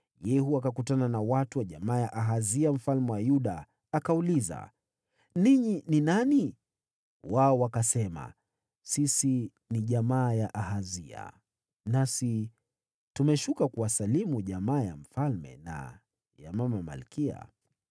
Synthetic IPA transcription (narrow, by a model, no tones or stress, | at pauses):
jɛhuakakutananawatuwaʄamaːjaʔaɦaziam̩falmɛwajuɗaː | kauliza̰ | niɲininani | waɔwakasɛma̰ | sisi | niʄamaːjaʔaɦazia̰ | nasi | tumɛʃukakuwasalimuʄamaːja̰m̩falmɛ̰na̰ | ja̰mamama̰lkia̰